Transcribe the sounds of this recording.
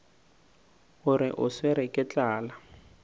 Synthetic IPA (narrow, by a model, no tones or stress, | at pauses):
ɣʊɾɪʔʊswɪɾɪkʼɪt͡ɬʼaːla